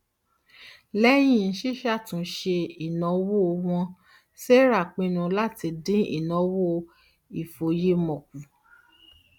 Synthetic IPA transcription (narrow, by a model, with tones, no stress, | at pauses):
lɛ˦j̃ĩ˦˨n̩˦ʃi˦ʃa˦˨tũ˨˦ʃe˧i˨nɔ̃˨˦wo˦˧w̃ɔ̃˧ | se˦ɾa˦˨k͡pĩ˧˦nũ˧la˦˨ti˧dĩ˦ḭ˦˨nɔ̃˨˦wo˦˧ | i˨fo˨je˦mɔ̃˨k̚u˨˦